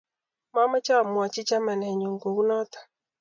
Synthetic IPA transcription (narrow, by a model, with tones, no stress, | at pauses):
ma˦ma˦t͡ʃa˦˨mwa˨t͡ʃɪ˦t͡ʃa˦ma˨nɛ˨ɲo˨ŋɡo˨u˦nɔ˦t̪ḁ˨